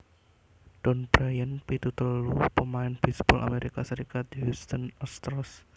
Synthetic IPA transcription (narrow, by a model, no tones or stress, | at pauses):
ɖ̥ɔnbɾajənpit̪ut̪əlupəmaɪnbispɔlʔa̰meɾikasəɾikat̪̚ɦust̪ənɔst̪ɾɔs